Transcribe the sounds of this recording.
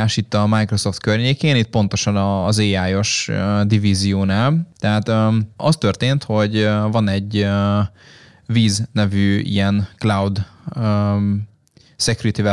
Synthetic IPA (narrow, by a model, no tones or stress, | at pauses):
aːʃit̪ːɒmajkro̞so̞ft̪kørɲeːkeːnit̪̚po̞nt̪o̞ʃɒnɒːzeːaːjo̞ʃød̪ivizijoːnaːlt̪ɛɦaːt̪øɒ̰st̪ø̞rt̪eːnt̪ho̞ɟvɒnɛɟø | viːznɛvyːḭjɛnklawd̪ø | sɛkjuɾit̪ivɛ